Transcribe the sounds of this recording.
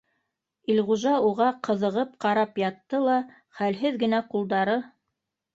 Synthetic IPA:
ilʁuʒɑuʁɑqɤ̆ðɤ̆ʁɤp̚qɑɾɑpjɑt̪ːɤlˠɑ | χælɦɘðɡɘ̆næqulˠd̪ɑɾɤ

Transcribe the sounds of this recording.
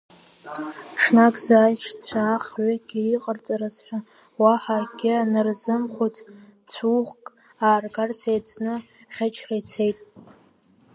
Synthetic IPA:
ʈ͡ʂʰnakʼzaːjʃt͡sʷʰaχʕʷaɡʲɪiqʼərt͡sʼaɾazħʷa | waħaɡʲɪanɨrzɨmχʷut͡sʰt͡sʷʰuʁkʼ | aːrɡarsʰejt͡sʰnɨ | χʲat͡ʃʰrajt͡sʰe̞jtʼ

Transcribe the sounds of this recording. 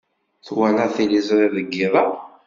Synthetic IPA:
θwænæθilizɾˤiðəɡːiðˤɑ

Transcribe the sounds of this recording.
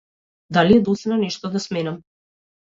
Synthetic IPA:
d̪aliɛd̪ɔsnanɛʃt̪ɔd̪asmɛnam

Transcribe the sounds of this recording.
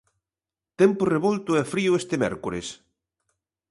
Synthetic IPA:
t̪ɛmpʊreβolt̪ʊɛfɾiʊest̪emɛ̰ɾkuɾes

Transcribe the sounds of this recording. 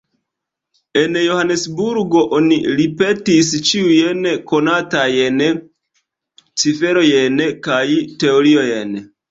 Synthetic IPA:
e̞njohane̞sbuɾɡo̞ʔoniɾipe̞tis̬t͡ʃiujenko̞natajen | t͡sife̞ɾo̞jenkajte̞o̞ɾiojen

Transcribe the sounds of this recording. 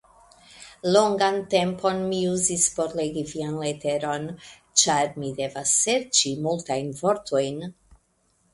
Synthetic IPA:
lo̞ŋɡante̞mpʰo̞nmiuzispo̞ɾle̞ɡivianlete̞ɾo̞n | t͡ʃaɾmide̞vasːe̞ɾt͡ʃimultajnvo̞ɾtʰo̞jn

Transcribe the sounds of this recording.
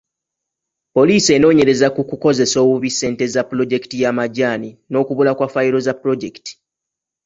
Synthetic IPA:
po̞liːse̞no̞ːɲe̞ɾe̞zakukuko̞ze̞so̞ːβuβisːe̞ːnte̞zapːulo̞ɟe̞ktijamaɟaːnino̞ːkuβulakwafajiɾo̞zapːuɾo̞ɟe̞ki̥ti̥

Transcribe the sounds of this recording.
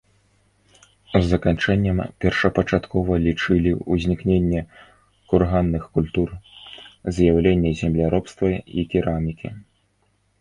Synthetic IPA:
zːɐkant͡ʂɛnʲːɐmpʲɛrʂɐpɐt͡ʂat̪kʰɔvɐlʲit͡ʂɨlʲiuzʲnʲiknʲenʲːɛ | kurɣanːɨxkulʲt̪ur | zjawlʲenʲːɛzʲɛmlʲaɾɔpst̪vɐḭkʲiɾamʲikʲḭ

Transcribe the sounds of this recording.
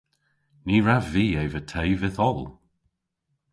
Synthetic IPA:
niːɹaviːɛjvətʰejvɪðɔlˠ

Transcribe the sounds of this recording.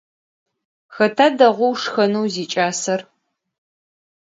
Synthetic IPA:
xɐtʰaːdɐʁʷʊwʂxɐnuwziːt͡ʃʼaːsɐr

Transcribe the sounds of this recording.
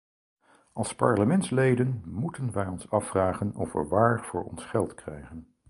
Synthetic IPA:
ɑlˠspɑ̰ɹləmɛntslejdənmutənʋɛjɔnsɑfraːχənɔfʋə̰ʋaːɹv̥ʊːɹɔ̰nsχɛlˠtkrɛjχən

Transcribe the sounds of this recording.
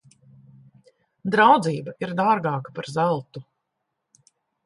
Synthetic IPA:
d̪ɾawd̪ziːbaʔiɾd̪aːɾɡɑːkḁpaɾzælˠt̪u

